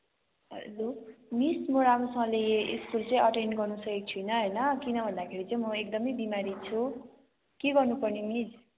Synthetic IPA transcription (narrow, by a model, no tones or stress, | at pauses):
ʌ̰lomismoɾamɾosʌŋʌ̃leeʔiskult͡sʌ̃ĩʌʈenɖɡʌrnusʌkik̚t͡sʰujnʌɦʌjnʌkinʌbʱʌnd̪akʰeɾit͡saĩmʌek̚d̪ʌmʌjbimaɾit͡sʰu | keɡʌrnupʌrnimis